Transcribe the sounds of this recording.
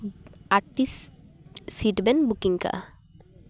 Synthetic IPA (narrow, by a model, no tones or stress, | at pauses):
aɾʈis | siʈbenbukiŋka̰